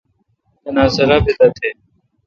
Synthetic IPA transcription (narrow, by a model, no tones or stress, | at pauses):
ənãːsəɾaːbeːd̪aːt̪ʰeː